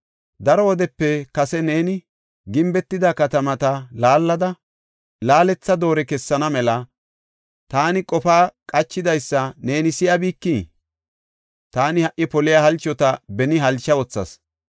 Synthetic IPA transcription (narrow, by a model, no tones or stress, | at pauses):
d̪ɐɾɔwɔd̪ɛpːɛkɐsɛne̞ːnɪ | ɡɪmbɛt̪ːɪd̪ɐkɐt̪ɐmɐt̪ɐlaːlːɐd̪ɐ | laːlɛt͡sːɐd̪o̞ːɾɛkɛsːɐnɐmɛlɐ | t̪aːnɪkʼɔfaːkʼɐt͡ʃːɪd̪ɐjsːɐne̞ːnɪsɪjɐbiːkːiː | t̪aːnɪhɐʔɪpɔlɪjahɐlt͡ʃːɔt̪ɐbɛnɪɦɐlt͡ʃːɐwɔt͡sːɐ̰s